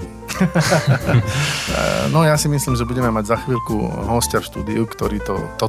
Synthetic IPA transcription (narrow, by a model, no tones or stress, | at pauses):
nɔjasimisliːmʒɛbuɟɛmɛmaɟzaxʋiːlʲkṵɦɔscaʃt̪ṵːd̪iukt̪ɔɾiːt̪ɔ̰t̪ɔ